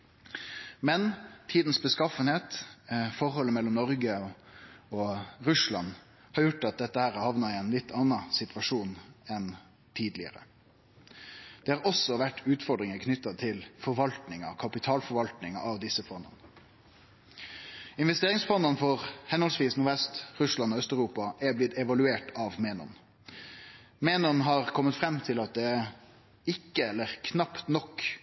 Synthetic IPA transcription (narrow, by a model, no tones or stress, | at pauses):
mɛnt̪ʰiːd̪n̩sbəskɑfənheːt̪fɔʁɦɔlːəmɛlːɔmnɔɾɡə | ɔɾʉslɑ̰n | hɑɾjʊʈːɑt̪̚d̪ɛt̪ːəhæːɾæhɑʋnɑɾɪɛnlɪt̪ːɑnɑsɪt̪ʋɑʂuːnɛn | t̪ʰiːd̪lɪ̰ə̰ɾə̰ | d̪̥ɛːhɑːɾɔsːɔʋæʈːʉːt̪fɔɾɖ̪ɾɪŋəkʰnʏt̪ːɑt̪ʰɪlfɔɾʋɑlt̪nɪŋɑ̰kʰɑpɪt̪ʰɑːlfɔɾʋɑlt̪nɪŋɑ̰ʔɑʋd̪ɪsːəfɔnd̪ə̰nə | ɪnʋɛst̪eːʁɪŋsfɔnd̪ənfɔʁhɛnhɔlsʋiːsnʊɾʋɛst̪ʁʉslɑnɔːœst̪œʉʁuːpɑʔɛblɪt̪ɛʋɑlʉeːʈɑʋmeːnɔ̰n | meːnɔnɦɑːʁkʰɔmːət̪fɾɛmːt̪ʰɪlɑt̪̚d̪ɛæ | ɪkːəɛlːəʁkʰnɑpt̪nɔk